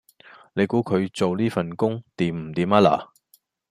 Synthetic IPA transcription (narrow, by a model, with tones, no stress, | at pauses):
nle˨˧jkuː˨˥kʰɵ˨˧ɥt͡so˨wliː˥fɐ˨˩nkʊ˥ŋt̪iː˨mm̩˨˩t̪iː˨˥ma˥la̰ː˨˩